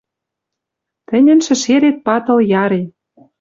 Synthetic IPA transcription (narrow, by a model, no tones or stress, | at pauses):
t̪ɘ̆nʲɘ̆nʃɘ̆ʃeɾet̪̚pɑt̪ɤ̆ljɑɾe